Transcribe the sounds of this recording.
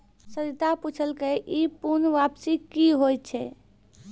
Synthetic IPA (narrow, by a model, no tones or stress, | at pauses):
səɾit̪aput͡ʃʰəlkeʔipuɾnʋapsikiɦojtt͡ʃʰɛ